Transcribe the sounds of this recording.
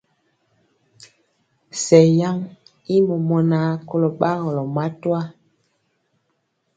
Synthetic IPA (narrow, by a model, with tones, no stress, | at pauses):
sɛ˨ja˦ŋ | i˦mɔ˨mɔ˨na˦ko˦lo˨ɓa˦ɣɔ˨lɔ˨ma˦twa˦